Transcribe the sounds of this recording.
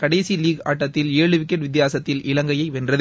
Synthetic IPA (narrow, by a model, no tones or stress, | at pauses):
kɐɽɐɪsiliːɡa̰ːʈːɐt̪ːɪleːɻɯʋɪk̬ːɐʈʋɪt̪̬ːɪjaːsɐt̪ːɪlɪlɐŋɡɐjɐɪʋɛndrɐð